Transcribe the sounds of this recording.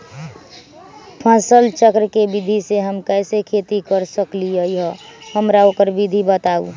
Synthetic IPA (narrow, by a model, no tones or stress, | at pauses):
pʰãːsəlt͡ʃəkɾəkebid̪ʱiseɦəmkɛːsekʰet̪ikəɾsəkliəjɦɔhəmɾaoːkəɾbʱid̪ʱibət̪aṵ